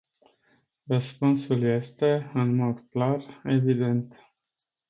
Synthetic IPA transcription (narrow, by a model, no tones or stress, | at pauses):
rəspunsulje̞st̪e̞ɨnmo̞d̪klare̞vid̪e̞nt̪